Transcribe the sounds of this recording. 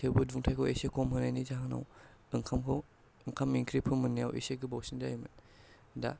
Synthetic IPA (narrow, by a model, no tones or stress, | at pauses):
tʰebɯduŋtʰajkʰɔwesekʰɔmhɯnajnizaɦaŋna̰w | ɯŋkʰamkʰɔ | ɯŋkʰamiŋkʰɾipʰɯmɯnːija̰wʔḛseɡibawsindajmɯn | da̰